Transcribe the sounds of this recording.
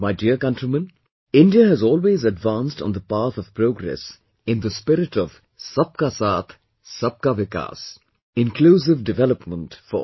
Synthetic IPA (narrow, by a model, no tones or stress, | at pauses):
maɪɖiəkʌ̃ntɾimə̃n | ɪ̃nɖiəɦɛzɔːlweːzəɖvãnstn̩d̪əpat̪ɔv̥pɾoːɡɾɛ̰s | ɪ̃nd̪əspɪɾɪʈɔv̥ | sʌp̚kasaːt̪ʰ | sʌp̚kaʋɪka̰ːs | ɪ̃nkʰluːs̬ɪvɖɪvɛləpmə̃ntfɔ̰